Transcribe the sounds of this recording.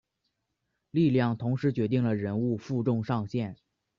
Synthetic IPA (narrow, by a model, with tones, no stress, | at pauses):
li˥˧ljɑ˥˩ŋt̪ʰʊ˧˥ŋʂɻ̩˧˥t͡ɕɥɛ˧˥t̪̬i˥˩ŋlə˩ɻə˧˥nu˥˧fu˥˧ʈ͡ʂʊ˥˧ŋʂɑ˥˧ŋɕjɛ˥˩n